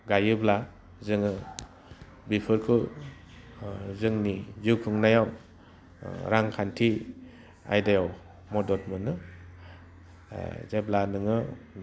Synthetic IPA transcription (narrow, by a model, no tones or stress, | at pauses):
ɡajɯbla | zɯŋɯ | bipʰɯɾkʰɯ | zɯŋnizɯwkʰɯŋnajaw | ɾaŋkʰantʰi | a̰jdajaw | mɔdɔt̚mɯnɯ | zeblanɯŋɯ